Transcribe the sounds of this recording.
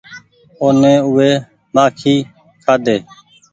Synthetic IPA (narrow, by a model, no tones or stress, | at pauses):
oːnẽːʊʋeː | maːkʰiː | kʰaːd̪eː